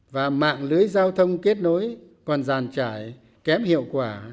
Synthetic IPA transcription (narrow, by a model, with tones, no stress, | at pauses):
vaː˨˩ma̰ː˧˨ŋlɨ˨˦əjzaː˧wt̪ʰə˧wŋ͡mke˦˥ət̚no˨˦jkɔ˨˩nzaː˨˩nt͡ɕaː˧˩j | kɛ˨˦mhḭ˧˨əwkwaː˧˩